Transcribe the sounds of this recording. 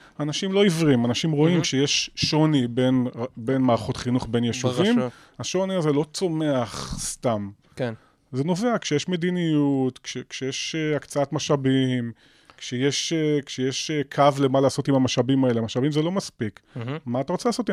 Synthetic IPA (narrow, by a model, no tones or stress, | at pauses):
anaʃimlo̞ivʁimanaʃimʁo̞imkʃejeʃːo̞nibe̞nbe̞nmaːʁaχo̞tχinuχbe̞njeʃuvim | aʃo̞niazelo̞t͡so̞me̞aχst̪am | zeno̞ve̞akʃejeʃme̞dinijutkʃekʃejeʃeakt͡saatmaʃabim | kʃejeʃekʃejeʃekʰavle̞malaːso̞timamaʃabimae̞lemaʃabimzelo̞maspikmaːtaʁo̞t͡selaːso̞t̪